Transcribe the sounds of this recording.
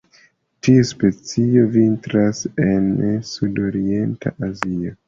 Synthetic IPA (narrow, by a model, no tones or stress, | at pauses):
tiuspe̞t͡sio̞vintɾase̞nsudo̞ɾie̞ntʰa̰ʔazio